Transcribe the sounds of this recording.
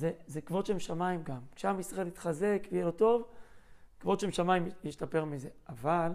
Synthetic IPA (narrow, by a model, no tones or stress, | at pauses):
zezekvo̞d̪ʃemʃamaimɡamkʃeamisʁaelit̪χaze̞kvejeloto̞v | kvo̞dʃemʃamajimjiʃtape̞ʁmize̞ʔaval